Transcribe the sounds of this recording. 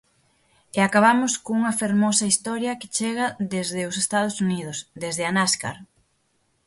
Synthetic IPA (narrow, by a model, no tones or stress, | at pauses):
eakaβ̞amʊskoŋuŋɐfeɾmɔsɐist̪ɔɾjɐkɪ̥t͡ʃeɣɐðezðɪʊsest̪að̞ʊsuniðʊsd̪ezðɪanaska̰ɾ